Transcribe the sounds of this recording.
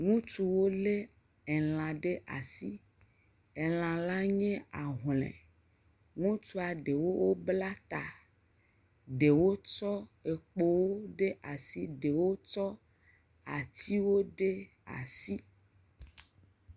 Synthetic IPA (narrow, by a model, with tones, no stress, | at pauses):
ŋũ˦t͡ʃu˨wo˦le˦ | ɛ˨l̃ã˨ɖe˦ʔa̰˨si˦ | e˨l̃ã˨la˦ɲɛ̃˦a˨ɦlɛ̰̃˨ | ŋũ˦t͡ʃu˦a˨ɖe˨wo˦wo˦bla˦t̪a˨ | ɖe˨wo˦t͡ʃɔ˦e˨k͡po˦wo˦ɖe˦ʔa˨si˦ɖe˨wo˦t͡ʃɔ˦ | a˨t̪ʰi˦wo˦ɖe˦ | a̰˨si˦